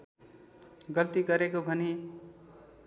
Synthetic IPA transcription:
ɡʌlt̪iɡʌɾekobʱʌni

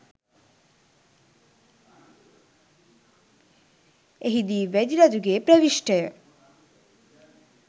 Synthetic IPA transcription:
eɦid̪iːʋɛd̪iɾad͡ʒuɡeːpɾəʋiʃʈəjə

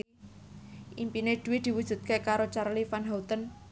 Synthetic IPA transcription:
ʔimpined̪̥ṳwɪd̪̥i̤wu̥ʒ̥ṳt̪̚kekaɾot͡ʃarlifanɦawt̪ən

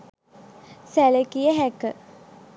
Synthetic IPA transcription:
sæləkijəɦækə

